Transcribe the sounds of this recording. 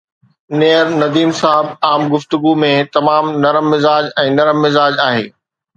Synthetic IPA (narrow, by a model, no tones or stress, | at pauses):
neːəɾnɐd̪iːmsaːɪbaːmɡʊft̪ʊɡumẽt̪ɐmaːmnɐɾəmːɪzaːd͡ʑɛ̃ːnɐɾəmːɪzaːd͡ʑaːɦeː